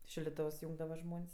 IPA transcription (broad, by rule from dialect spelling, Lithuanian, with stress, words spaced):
ʃʲɪlʲdʲɪˈtoːws ˈjuːŋɡdɐʋɐ ˈʒmoːnʲsʲ